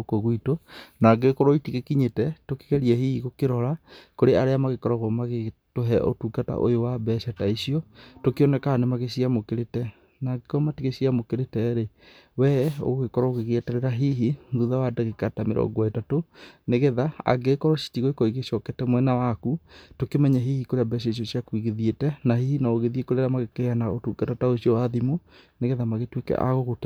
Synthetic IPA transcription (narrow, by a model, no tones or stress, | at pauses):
koɣwitonaːɡekɔɾɔitiɣekiɲetɛtoke̥ɣɛɾiɛhiiɣokeɾɔɾakoɾeaɾeamaɣekɔɾɔɣɔmaɣetoɦɛʔo̰tuɡata̰ʔo̰jowabɛːɕataisiɔtokeɔnɛkaanemaɣeɕiamokeɾetɛ | naɡekɔmatiɣesiamokeɾetɛɾe | wɛo̰ɣɣekɔɾɔoɣeɣeɛtaɾeɾaɦiɦiŋɡuðawadaɣekatamḛɾɔ̰ŋɡwaetatoneɣɛðaa̰ɡekɔɾɔɕi̥tiɣoekɔiɣeʃɔkɛtɛmwɛnawakutokemɛɲɛɦihikoɾeabɛɕ̬aiʃ̬jɔsiakwiɣeðjetɛnahihinaoɣeðiekoɾeɾamaɣekeanaotukɛtataoɕjɔwaðimo | neɣɛðamaɣetwekɛ̰ʔa̰ɣoɣot